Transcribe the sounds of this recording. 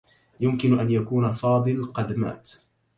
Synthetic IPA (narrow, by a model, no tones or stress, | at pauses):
jʊmkɪnʔanjakuːnafɑːd̪ˤɨlqɑd̪ma̰ːt̪